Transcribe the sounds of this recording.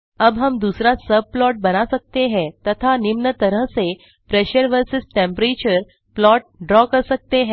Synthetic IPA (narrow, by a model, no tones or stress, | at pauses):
əbɦəmd̪usɾasəb̚plɔʈ̚bənasək̚t̪eɦɛ̃t̪ət̪ʰanimnət̪əɾəɦse | pɾeɕəɾʋəɾsəsʈẽmpɾet͡ɕəɾ | plɔʈ̚ɖɾɔkəsək̚t̪eɦẽ